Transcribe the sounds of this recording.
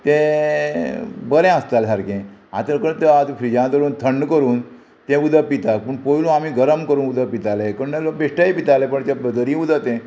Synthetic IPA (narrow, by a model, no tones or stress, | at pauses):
t̪ẽ | bəlɛ̃əst̪alɦaɾkẽat̪əɾkəɭt̪əat̪fʰɾid͡ʑãt̪əɾuːnt̪ʰəɳɖkəɾuːn | t̪ẽud̪ʱəpit̪apəɳpojlũamiɡəɾəmkəɾuːnud̪əpit̪alekəɾunalok̚beʂʈaipit̪alepəɳt̪abəd̪əɾiud̪ət̪ɛ̃